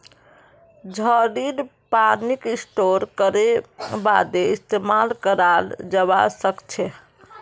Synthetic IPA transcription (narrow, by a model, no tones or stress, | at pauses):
d͡ʒʱəɽidpanikisʈoɾkəɾeba̰d̪eist̪emalkəɾald͡ʒəβa̰səkt͡ʃʰɛ